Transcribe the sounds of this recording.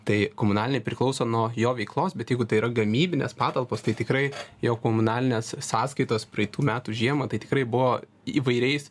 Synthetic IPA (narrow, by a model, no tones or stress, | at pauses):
t̪ɐɪkomʊnɑːlʲɪnʲɛɪpʲɾʲɪklˠɐʊsoːnuɔjoːʋʲɛɪklˠoːsbʲɛt̪jɛɪɡʊt̪ɐɪiːɾɐɡɐmʲiːbʲɪnʲḛspɑːt̪ɐlˠpoːst̪ɐɪt̪ʲɪkɾɐɪjoːkomʊnɑːlʲɪnʲeːssɑːskɐɪt̪oːspɾɐɪt̪uːmʲæːt̪uʒʲiɛmɐt̪ɐɪt̪ʲɪ̥kɾɐɪbʊʋoː | iːʋɐɪɾʲɛɪs